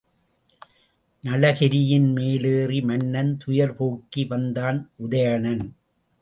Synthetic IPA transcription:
nɐlɐɣɪɾɪjɪnmeːleːrimɐnːɐnt̪ʊjɐɾpoːkːiʋɐnd̪aːnʔʊðɐjɐɳɐn

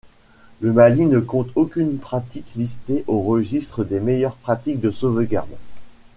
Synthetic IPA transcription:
ləmalinəkɔ̃t̪ʰokʲynpχat̪iklist̪eʔoʁəʒist̪χəd̪emejœʁpχat̪ik̚d̪əsovɡʲa̰ʁd̪

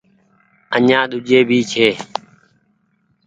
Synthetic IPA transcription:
əɲãːɗ̪ʊʄeːbʱiːt͡ʃʰeː

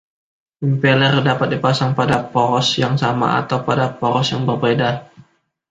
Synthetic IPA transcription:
impelɛrdapat̪̚dipasaŋpadapɔɾɔsjaŋsama̰a̰t̪awpadapɔɾɔsjaŋbərbeda

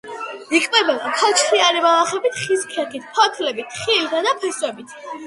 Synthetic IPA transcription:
ikʼmʼɛbɛlapʰat͡ʃʰtʰiaɾimalaχɛbit̪ʰχiskʰɛkit̪̚ʰpʰɔt̪ʰlɛbit̪ʰχilit̪ʰad̪apʰɛsɛbit̪ʰ

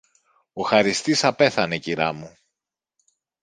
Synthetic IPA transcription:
o̞xɐɾist̪isɐpe̞θɐne̞ciɾɐ̰mu

